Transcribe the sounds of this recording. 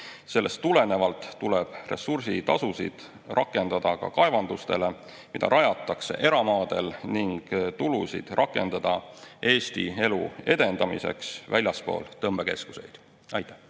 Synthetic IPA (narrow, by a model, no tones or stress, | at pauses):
se̞lːe̞st̪ːule̞ne̞vɑlt̪ːuleb̥re̞̰sursit̪ɑsusḭd̪̥ | rʔɑkːˑe̞nd̪̥ɑd̪̥ɑkɑ̰kɑevɑnd̪ust̪e̞le̞ | mid̪̥ɑ̰ɾʔɑjɑt̪ːˑɑkse̞̰ʔe̞ɾɑmɑːd̪̥e̞lniŋɡ̥t̪ulusḭd̪̥rʔɑkːˑe̞nd̪̥ɑd̪̥ɑʔe̞ːst̪ḭe̞lue̞d̪e̞nd̪ɑmḭse̞̰ksvælʲjɑspo̞̰ːlt̪ɤmb̥eke̞sku̥se̞̰jd̪̥ | ɑjt̪ːˑæ̥h